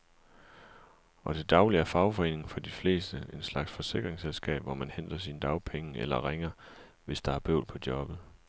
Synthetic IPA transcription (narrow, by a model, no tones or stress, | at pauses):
ɒ̽d̥e̝d̥ɑ̈ʊliæɐfɑ̈ʊfɒ̽e̝̰ːne̝ŋŋ̩fɒ̽d̥ifle̝̰ːsd̥əe̝nslɑ̈ɡ̥sfɒ̽se̝ɡ̥ʁeŋselsɡ̥ɛ̰ːb̥ʋɒmænhen̰d̥ɐs̬inəd̥ɑ̈ʊpʰeŋəelɐʁeŋɐ | ʋe̝sd̥ɑ̈æɐb̥ø̰ʊlpʰɒ̽d̥jɒ̽b̥ð̩ˠ